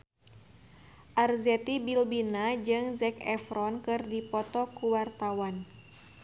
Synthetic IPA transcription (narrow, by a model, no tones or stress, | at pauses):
ʔarzɛt̪ibilbinad͡ʒɨŋzɛkɛfɾɔnkɨrdipɔt̪ɔkuwart̪awan